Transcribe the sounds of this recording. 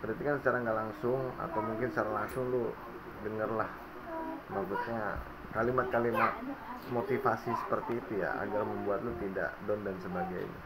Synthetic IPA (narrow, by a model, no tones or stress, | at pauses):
pərdat̪ikansət͡ʃaɾaŋɡaʔlaŋsʊŋa̰t̪awmuŋkɪnst͡ʃaɾalaŋsʊŋlʊ | dəŋərlah | maksut̪̚ɲa | kalimat̪̚kalimat̪̚mot̪ifasisə̥pərt̪iːt̪uja̰ʔa̰ɡarməmbuat̪̚lʊt̪ida̰ʔdɔndansəbaɡa̰j̰ɲa̰